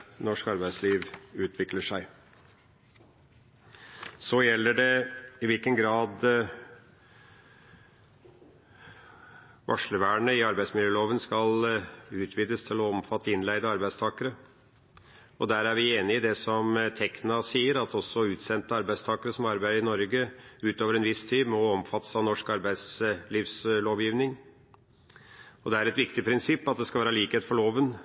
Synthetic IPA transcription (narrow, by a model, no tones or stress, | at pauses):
nɔʂkɑɾbæɪd̪sliːʋʉːt̪ʰʋɪkləʂæɪ | sɔjɛlːəɖɛɪʋɪlkənɡɾɑːd̪ | ʋʔɑ̰ʂləʋæːɳəɪɑɾbæɪsmɪljəloːʋənskɑlʉːt̪ʰʋiːd̪əst̪ʰɪlɔɔmfɑt̪ːəɪnlæɪd̪əɑɾbæɪst̪ʰɑːkəɾə | ɔd̪æːɾæɾʋɪeːnɪɪd̪ɛsɔmt̪ʰɛknɑsiːəɾɑt̪ɔsɔʉːt̪sɛnt̪əɑɾbæɪst̪ʰɑːkəɾəsɔmɑɾbæɪəɾɪnɔɾɡəʉːt̪oːʋəɾɛnʋɪst̪ʰiːmɔɔmfɑt̪ːə̥sɑnɔʂkɑɾbæɪsliːʋsloːʋjiːʋnɪŋ | ɔd̪ɛæɾɛt̪ʋɪkt̪ɪpʰɾɪnsɪpːɑt̪̚d̪ɛskɑlʋæːɾɑliːkeːt̪fɔɭoːʋən